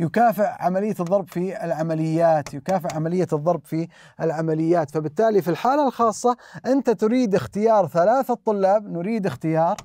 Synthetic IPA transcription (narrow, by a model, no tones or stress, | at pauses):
jʊkaːfɪʕʕamalɪjːaðˤːɑɾˤbfiɪlʕamalɪjːaːt̪jʊkaːfɪʕʕamalɪjːaðˤːɑɾˤbfi | ɪlʕamalɪjːaːt̪fabɪt̪ːaːlifilħaːlalxɑːsˤːɑʔɪnt̪at̪ʊɾiːd̪ʔɪxt̪ɪjɑːɾˤθalaːθat̪ˤːʊlːɑːb̚nʊɾiːd̪ɪxt̪ɪjɑːɾˤ